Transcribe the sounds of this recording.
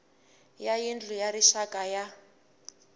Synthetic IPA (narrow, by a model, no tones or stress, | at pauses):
jajind͡ɮʱujaɾiʃakʼaja